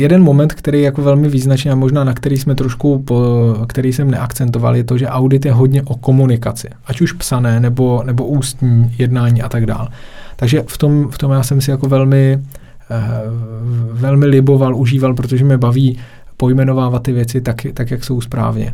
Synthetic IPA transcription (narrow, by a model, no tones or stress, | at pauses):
jɛdɛnmo̞mɛnt̪kt̪ɛɾejɛjako̞vɛlmɪviːznat͡ʃniːamoʒnaːnakt̪ɛɾiːsmɛt̪ɾoʃkupokt̪ɛɾijsɛmnɛʔakt͡sɛnt̪o̞va̰ljɛt̪o̞ʒɛʔawdɪt̪jɛɦo̞dɲɛʔo̞ko̞munɪkat͡sɪʔacuʃpsanɛːnɛbo̞nɛbo̞ʔuːst̪ɲiːjɛdnaːɲiːʔat̪aɡda̰ːlt̪aɡʒɛft̪o̞mft̪o̞mjaːsɛmsɪjako̞vɛlmɪ | vɛlmɪlɪbo̞valʔuʒiːvalp̬ɾot̪oʒɛmɲɛbaviː | po̞jmɛno̞vaːvat̪̚ːɪvjɛt͡sɪt̪akt̪akjakso̞wspɾa̰ːvɲɛ̰